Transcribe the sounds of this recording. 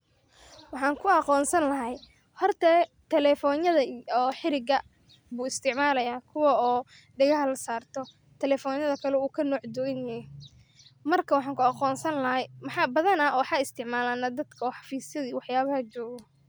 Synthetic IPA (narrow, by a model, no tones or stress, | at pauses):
wɑħɑːŋkʰʊɑqɔːnsɐnlɐɦɛj | hɔrt̪ʰɛːt̪ʰɛlɛːfɔːnjɐðɐɔːħɪɾɪɡɐ | buːɪst̪ʰɪʕmaːlɐjaːkʰʊwɑɔː | ɖɪɣɐɦɐlɐsaːrt̪ʰɔ | t̪ʰɛlɛːfɔːnjɐðɐkʰɐlɛuːkʰɐnɔːʕd̪ʊɪnjɛjɛ | mɐrkʰɐwɑħɑːŋkʰʊɑqɔːnsɐnlɐɦɛjmɑħɑːbɐðɐnɐɔwħɑɪst̪ʰɪʕmaːlaːnɐd̪ɐd̪kʰɐɔːħɑfiːsjɐðiːwɑħjaːβɐhɐt͡ʃɔːɣɔ